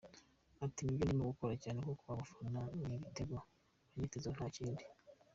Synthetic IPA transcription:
atimibjindiimuɡukoɾacaːnekokuβaβufananiɡiteɡa | βaɲeːteznhaciːndi

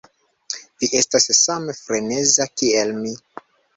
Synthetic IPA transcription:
viʔe̞stassamefɾenezakielmi

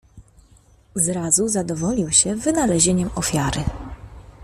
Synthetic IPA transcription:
zɾazuzad̪ɔvɔlʲiwɕɛvɘnalɛʑeɲɛmɔfʲjaɾɘ

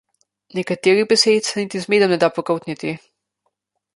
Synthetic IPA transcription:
nɛkat̪eːɾiɣbɛset̪sɛnit̪izmeːd̪ɔmnɛd̪apɔkowt̪nit̪i

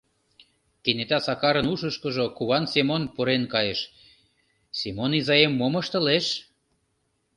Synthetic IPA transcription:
kenet̪æsɑkɑɾə̆nuʃə̆ʃkə̆ʒokuβɑnsemonpoɾenkɑjeʃ | semonizɑjemːoməʃt̪ə̆leʃ

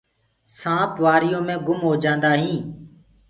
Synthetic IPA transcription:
sãːpʋaːɾɪjõːmẽːɡʊmɦoːd͡ʒãːnd̪aːɦĩː

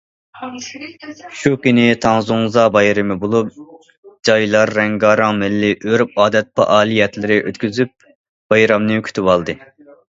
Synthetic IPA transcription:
ʃukʲinɪt̪ʰɑŋzuŋzɑbɑjɾɪmɨbolˠup̚ | d͡ʒɑjlˠɑɾːɛŋɡɑːɾɑŋmɪlːɪʔøɾp̚ɑːd̪ɛt̪̚pɑ̰ʔɑːlˠijɛt̪lɪɾɪʔøt̪kʲyzyp̚ | b̥ɑjɾɑmnɨkʲʰy̥t̪ʰypɑlˠd̪ɨ

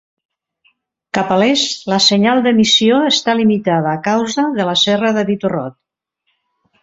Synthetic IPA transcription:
kapalɛsləsəɲalˠd̪əmisioəst̪alimit̪aðəːkawzəðələsɛrəðəβit̪urɔ̰t̪̚

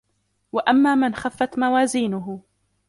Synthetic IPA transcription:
waʔamːaːmɪnxafːat̪mawaːziːnʊɦʊ

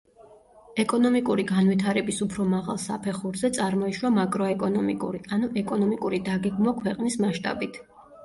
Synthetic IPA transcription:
ɛkʼɔnɔmikʼuɾiɡanwit̪ʰaɾɛbisupʰɾɔmaʁa̰lˠsa̰pʰɛχuɾzɛt̪sʼaɾmɔiʃwamakʼɾɔɛkʼɔnɔmikʼṵɾianuʔɛkʼɔnɔmikʼuɾid̪aɡɛɡmwakʰwɛqʼnismaʃt̪ʼa̰bit̪ʰ

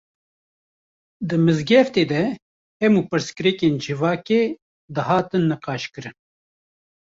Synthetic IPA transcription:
d̪ɨmɨzɡɛft̪eːd̪ɛ | ɛmuːpɨɾskɨɾɛkeːnd͡ʒɨvɑːkeː | d̪ɨhɑːt̪ɨnːɨqɑːʃkɨɾɨn

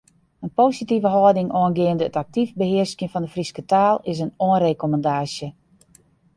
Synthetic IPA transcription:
ənpoːsitivəɦɔːdɪŋɔənɡɪəndəətak̚tivbəhɪəskjəfɔndəfriskətaːlˠɪsənoənrekoməndaːsjə

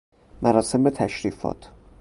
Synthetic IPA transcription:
mʔæɾɒːse̞mbet̪ʰæʃɾiːfɒ̰ːt̪ʰ

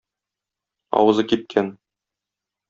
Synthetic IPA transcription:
ɒ̰wɤ̆zɤkip̪̚kʰæn

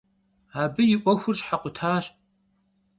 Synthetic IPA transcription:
aːbɨjɪʔʷɔxʷʊrɕħaqʷʊtʰaːɕ

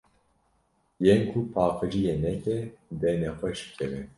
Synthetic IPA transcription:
jenkʰupʰɑːqɨʒijenɛt̪ɛd̪ɛnɛxʷɛʃɨ̥kʰɛvɛ

